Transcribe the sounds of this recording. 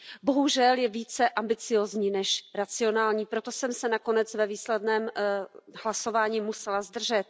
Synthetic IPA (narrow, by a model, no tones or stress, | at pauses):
bo̞ɦuʒɛljɛviːt͡sɛʔambɪt͡sɪjoːzɲiːnɛʃɾat͡sɪo̞naːlɲiːpɾot̪o̞sɛmsɛnako̞nɛt͡svɛviːslɛdnɛːm | hlaso̞vaːɲiːmusɛlazd̪r̩ʒɛt̪̚